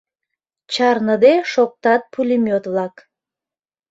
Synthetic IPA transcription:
t͡ɕɑrnəd̪eʃok̚t̪ɑt̪̚pʰulʲimʲot̪βlɑk

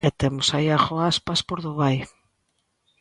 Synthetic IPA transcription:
ɛt̪emʊsaiaɣoaspaspoɾðʊβaj

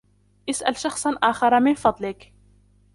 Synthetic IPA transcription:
ʔɪsʔalʃɑxsˤɑnʔaːxɑɾˤɑmɪnfɑd̪ˤlɪk

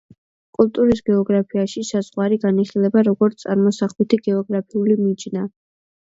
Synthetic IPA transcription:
kʼulˠt̪ʼuɾis̬ɡɛɔɡɾapʰiaʃisazʁwaɾiɡaniχilɛbaɾɔɡɔɾt̪ʼaɾmɔsaχlit̪ʰiɡɛɔɡɾapʰiulimid͡ʒna

